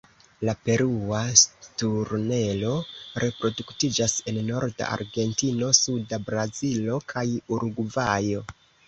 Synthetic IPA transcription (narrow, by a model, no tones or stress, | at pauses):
lape̞ɾuatuɾne̞lo̞ɾe̞pɾo̞duktid͡ʒasenːo̞ɾda̰a̰ɾɡe̞ntino̞sudabɾazilo̞kʰajuɾuɡvajo̞